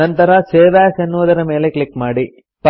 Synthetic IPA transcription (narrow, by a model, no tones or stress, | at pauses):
ɐnt̪ɐɾɐseːʋaːsenːuʋɐd̪ɐɾɐme̞ːle̞klikːmaːɽi | pɐ